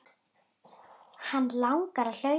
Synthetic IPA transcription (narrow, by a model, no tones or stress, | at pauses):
hanːlawŋkaɾaðl̥œ